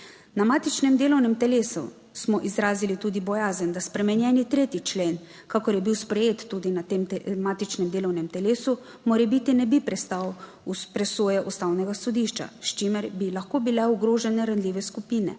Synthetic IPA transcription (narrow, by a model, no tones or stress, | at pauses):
namaːt̪it͡ʃnɛmd̪eːlɔwnɛmt̪ɛleːsṵ | smɔʔizɾaːzilit̪uːd̪ibɔjaːzənd̪aspɾɛmɛnjɛːnit̪ɾeːt̪it͡ʃleːn | kakɔɾjɛbiwspɾɛjeːt̪ːud̪inat̪eːmt̪ɛmaːt̪it͡ʃnɛmd̪eːlɔwnɛmt̪ɛleːsu | moːɾɛbit̪inɛbipɾɛst̪aw | upɾɛsoːjɛʔust̪aːwnɛɡasɔd̪iʃt͡ʃa̰ʃt͡ʃimɛɾbilaxkobilɛuɡɾoːʒɛnɛɾanlʲiːʋɛskupiːnɛ̰